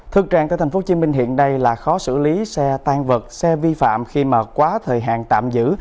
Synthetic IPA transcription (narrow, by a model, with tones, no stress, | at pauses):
t̪ʰɨ˨˩k̚t͡ɕaː˧˨ŋaː˧˩t̪ʰŋ̟fo˨˦t͡ɕi˨˦nmi˧ŋ̟ɦḭ˧˨ənːa˧jlaː˨˩xɔ˨˦sɨ̰˧˩li˨˦sɛ˧t̪aː˧ŋvə˨˩t̚sɛ˧vi˧fa̰ː˧˨mxi˧maː˨˩kwaː˨˦t̪ʰəː˨˩jɦa̰ː˧˨ŋt̪a̰ː˧˨mzɨ̰˧˥